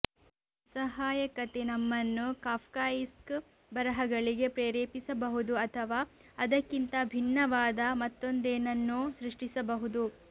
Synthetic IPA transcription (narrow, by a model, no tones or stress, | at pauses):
sɐɦaːjɐkɐt̪enɐmːɐnːukaːpkaːjisk | bɐɾɐɦɐɡɐɭiɡe̞pɾeːɾeːpisɐbɐɦud̪uɐt̪ʰɐʋaː | ɐd̪ɐkːint̪ɐbʱinːɐʋaːd̪ɐmɐt̪ːo̞nd̪eːnɐnːusɾiʂʈisɐbɐɦud̪u